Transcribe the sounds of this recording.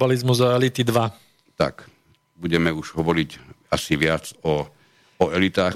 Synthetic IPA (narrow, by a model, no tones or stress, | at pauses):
balizmuzaɛlit̪id̪ʋa | t̪a̰k | buɟɛmɛuʒ̥ɦɔʋɔɾicasiʋɪat͡sɔ | ɔɛlit̪aː